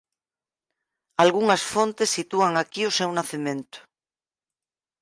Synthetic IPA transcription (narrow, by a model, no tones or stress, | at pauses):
alɣuŋasfõnt̪esːit̪uaŋakiosewnaθimẽnt̪o̥